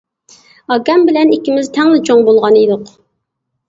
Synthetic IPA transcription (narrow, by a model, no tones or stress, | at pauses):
ɑɡʲɛmbɪlɛnikʲimɪzt̪ʰɛŋlɪt͡ʃʰoŋbolˠʁɑnid̪ʊq